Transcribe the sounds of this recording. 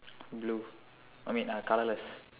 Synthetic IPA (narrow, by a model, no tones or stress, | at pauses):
blu | ajmĩnakalələs